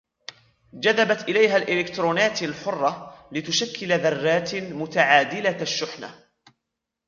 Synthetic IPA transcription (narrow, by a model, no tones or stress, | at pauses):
d͡ʒaðabat̪ʔɪlajɦaːlʔɪlɪkt̪ɾuːnaːt̪alħʊrˤːɑlɪt̪ʊʃakːɪlaðɑrˤːaːt̪mʊt̪aʕaːd̪ɪlaʃːʊħna̰